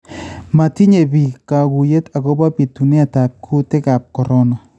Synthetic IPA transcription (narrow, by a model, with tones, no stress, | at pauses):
ma˨ti˦ɲe˨bi˨ka˨ɡu˨je˦ta˨ko˦ba˦pi˨tu˨ne˦a˨ta˨p̚kʰu˦tɪ˦ka˨p̚kɔ˨ɾɔ˦nɔ˨